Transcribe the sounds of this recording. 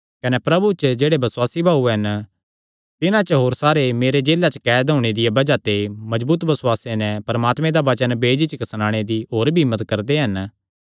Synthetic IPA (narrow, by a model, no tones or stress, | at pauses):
kɐnɛpɾɐbut͡ʃd͡ʒeːɽebɐswaːsibʱaːuɦɐn | t̪ɪnãt͡ʃəɦoːɾsaːɾemeːɾed͡ʒeːlat͡ʃəkɛːd̪ɦoːɽ̃ed̪ɪjebɐd͡ʒat̪emɐd͡ʒbuːt̪bɐswaːsenɛ̃pɐɾəmaːt̪mẽd̪aʋɐt͡ʃənbeːd͡ʒit͡ʃkɐsnãːɽ̃ed̪iɦoːɾbʱiɪmːət̪kɐɾd̪eɦɐn